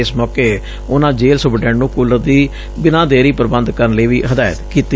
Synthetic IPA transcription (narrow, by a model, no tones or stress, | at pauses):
ɪsmɔːkeː | ʊnãːd͡ʒeːlsʊbɖɛ̃ːɳnũːkʊləɾd̪iː | bɪnãːd̪eːɾiːpəɾbənd̪kəɾənləiːʋiːɦəd̪aːjət̪kiːt̪i